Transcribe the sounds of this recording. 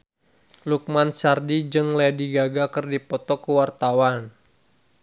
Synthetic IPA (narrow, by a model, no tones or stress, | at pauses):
luk̚mansardid͡ʒɨŋlɛdiɡaɡakɨrdipɔt̪ɔkəwart̪awan